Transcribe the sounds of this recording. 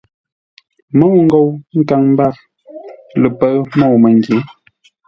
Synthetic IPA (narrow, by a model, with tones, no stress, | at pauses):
mɔ˦˨wŋ̩˦ɡo˨wŋ̩˦ka˨ŋm˦ba˦˨ | lə˨pə˦mɔ˦˨wmə˨ŋ˨ɡje˨˦